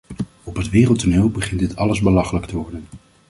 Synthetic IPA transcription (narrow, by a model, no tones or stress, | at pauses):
ɔpɦətʋɪːrəlˠtoneːlˠbəχɪntdɪtɑləzbəlɑχələktəʋɔɹdən